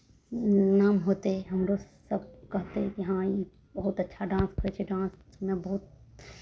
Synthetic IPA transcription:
naːmɦoːt̪eɦɛɦɐmɾo | sɐb̚kɐɦt̪eɛiɦãi | bɐɦʊt̪ɐtːʃʰaɖãːnskoet͡ʃʰeɖãːns | mẽbɐɦʊt̪̚

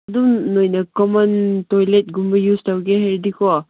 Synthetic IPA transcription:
ɐdumnojnɐkɔmɔntojlet̚ɡumbɐjustawɡeɦeɾdikʰɔa

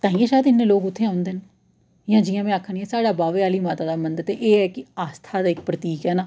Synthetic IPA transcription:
t̪ãːĩːeʃaːjd̪ɪnːẽːloːkʊt̪ʰːeːãːʊ̃nd̪eːn | jãːd͡ʒɪjãːmɛ̃ːaːkʰːəɳiɛːsaːɽaːbaːʋeːaːliːmaːt̪aːd̪aːmənd̪t̪eʔeːɛːkɪaːst̪ʰaːd̪aːɪkpɾət̪iːkɛːnaː

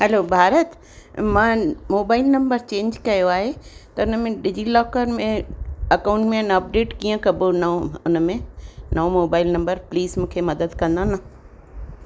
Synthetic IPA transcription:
ɦɛlobʱaːɾət̪ | mãmoːbaːɪlnɐ̃mbəɾt͡ɕẽːɲd͡ʑkɐjoaːɦet̪ɐʊnəmẽɗɪd͡ʑilɔːkəɾmẽɐkaːʊ̃ɳʈmẽnɐp̚ɖeːʈkiːə̃kɐbonɐʊnəmẽnɐomoːbaːɪlnɐ̃mbəɾpliːzmũːkʰemɐd̪əd̪kɐ̃nd̪ana

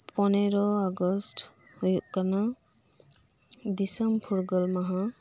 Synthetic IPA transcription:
pɔnɛɾɔaɡɔst | hujuʔkana | d̪isɔmpʰuɾɡɔlmaɦã

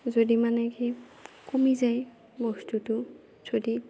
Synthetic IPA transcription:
zodimanɛkekomizaj | bɔstutʊ | sʰodi

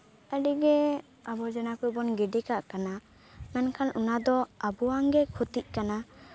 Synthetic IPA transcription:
əɖiɡɛ | abɔd͡ʒɛnakubɔnɡɛɖɛkaʔkana | mɛnkʰanʔunad̪ɔabuaŋɡɛkʰut̪iʔ̚ˀkana

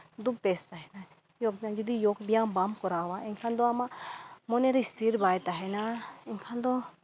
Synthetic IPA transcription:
d̪ub̚pest̪aɦɛna | joɡ̚bijãd͡ʒɔd̪ijokbijambamkɔɾawaʔɛŋkʰand̪ɔamamɔneɾist̪ʰiɾbajt̪aɦɛnaɛŋkʰand̪ɔ

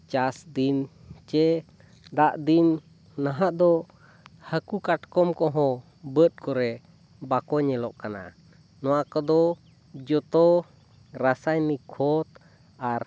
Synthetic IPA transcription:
t͡ʃasd̪in | t͡ʃɛ | d̪aʔd̪inː | aɦaʔd̪ɔ | həkukaʈkɔmkɔɦɔ̃ | bət̪̚kɔɾɛ | bakɔɲɛlɔʔkana̰ | nɔwakɔd̪ɔ | d͡ʒɔt̪ɔ | ɾasajmikʰɔt̪̚ | aɾ

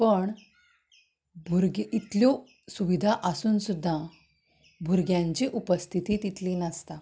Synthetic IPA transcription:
pəɳ | bʱuɾɡit̪ljɔ | suʋid̪ʱaʔəsuːnsud̪ʱːa | bʱuɾɡjãɲt͡ɕiʔupəst̪ʰit̪iːt̪it̪liːnəst̪a

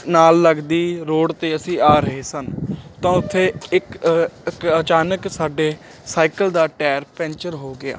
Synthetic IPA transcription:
naːlːəɡd̪iːɾoːɖt̪eːəsĩːaːɾəɦeːsənt̪ãːʊt̪ʰːeːɪkkət͡ʃaːnəksaːɖeː | saːikəld̪aːʈɛːɾpɛ̃ɲt͡ʃəɾɦoːɡɪa̰ː

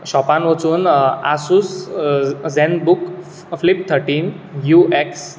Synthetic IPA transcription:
ɕɔpanʋət͡suːnasus | zɛ̃nd̪buk | flip̚t̪ʰəɾʈiːn | jueks

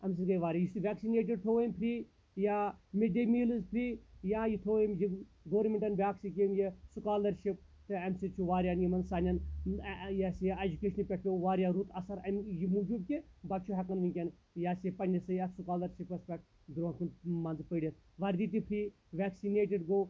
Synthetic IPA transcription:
ɐms̬iɡɐjʋaːɾʲjajisiʋʲɛːksineːʈ̬iɖ̚t̪ʰoːimʲpʰɾi | jaːmeɖemilɨzpʰɾijaːjit̪ʰoːemji | ɡoːɾmʲeɳʈɐnbʲaːksik̬ʲimjisukaːlɐɾʃip̚ | t̪ɨɐmsit͡ʃʰuʋaːɾʲjanjimɐnsaːnʲɐn | jasɐd͡ʒukeːʃɐnipʲɛʈʰʲoːʋaːɾʲjaːɾut̪ʰɐsɐɾɐmjimud͡ʒubkʲebɐt͡ʃʰuɦʲɛkɐnʋiŋʲkʲɐn | jaːsepɐnʲd͡ʒɐsɨjasukaːlɐɾʃipɐspʲɛk̚ʈ | d̪ɾoːnkʰunmɐnzpəːɖɐt̪ʰ | ʋɐɾd̪it̪̬ipʰɾiː | ʋʲɛːksineːʈiɖɡoː

